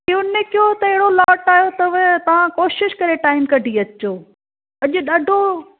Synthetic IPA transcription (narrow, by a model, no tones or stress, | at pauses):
iʊnɪkijot̪ɐɪɦɪɽolɔːʈaːjot̪ɐʋt̪ɐʋ̤ãkoːʃɪʃkɐɾeʈaːɪmkɐɖʱiɐt͡ɕoː | ɐʄʊɗaːɖʱo